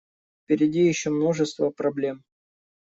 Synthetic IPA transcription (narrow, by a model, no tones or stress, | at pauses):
fpʲɪɾʲɪdʲijɪɕːomno̞ʐɨst̪vəpɾɐblʲe̞m